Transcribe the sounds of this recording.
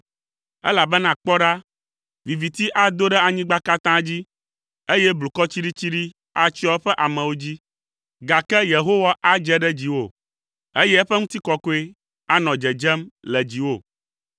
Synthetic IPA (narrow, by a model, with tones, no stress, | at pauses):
ɛ̰˦la˨bɛ˦nã˨k͡pɔ˦ɖa˦ | vi˨vi˨t̪i˦ʔa˨d̪o˦ɖɛ˦a˨ɲĩ˦ɡ͡ba˦ka˦t̪ã˦d͡ʑi˦ | e˦jɛ˦blu˨kɔ˦t͡ɕi˦ɖi˦t͡ɕi˦ɖi˦ | a˨t͡ɕi˦ɔ˦ɸɛ˦ʔa˨mɛ̃˨wo˦d͡ʑi˦ | ɡa˨kɛ˦je˨ɦo˦wa˦ʔa˦d͡ʒɛ˦ɖɛ˦d͡ʑi˨wo˦˨ | e˦jɛ˦ɛ˦ɸɛ˦ŋũ˦t̪i˦kɔ˦ko˦e˦ | a˦nɔ̃˨d͡ʒɛ˨d͡ʒɛ˦mlɛ˨d͡ʑi˨wo˦˨